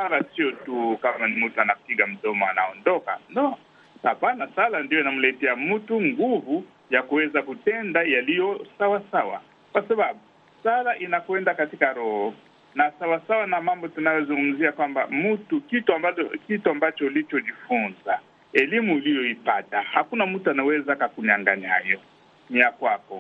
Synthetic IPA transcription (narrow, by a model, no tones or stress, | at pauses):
alasijotukamanimutuanapiɡam̩tɔmaana̰ɔndɔka̰nɔ | apanasalandijoinamulɛtɛamutuŋɡuvu | jakuwɛzakutɛndajalijɔsawasawa̰ | kwasaβabu | salaʔinakuwɛndakatikaɾɔhɔ | nasawasawanamambɔtunajɔzuŋɡum̩ziakwamba̰mutukituaakituambat͡ʃɔlit͡ʃɔdifunza | elimuilijɔipa̰tahakunamutuanawɛzakakuɲaŋɡa̰ɲa̰jɔ | niakwakɔ̰